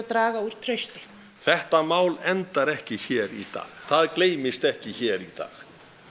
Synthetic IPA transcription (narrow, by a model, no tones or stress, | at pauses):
t̪ɾaːɣauɾ̥t̪ʰɾœɥst̪ɪ̥ | θɛht̪amaːwlɛnt̪aɾɛhcɪçɛːɾit̪a̰ːɣθaðkleːjmɪst̪ɛhcɪçɛːɾit̪a̰ːɣ